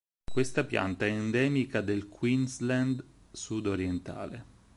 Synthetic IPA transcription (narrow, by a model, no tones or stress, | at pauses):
kwest̪apja̰nt̪aɛɛnd̪ɛːmikad̪elkʰwinsland̪ | sud̪oɾjent̪a̰ːle